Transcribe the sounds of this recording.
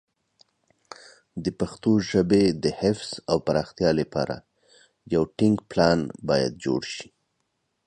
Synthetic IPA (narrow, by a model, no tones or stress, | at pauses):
d̪əpaxt̪oʒəbed̪əhɪfz̥awpaɾɑxt̪jɑləpɑ̰ɾa̰ | jawʈɪŋkplɑnbɑja̰d̪̚d͡ʒo̰ɽʃi̥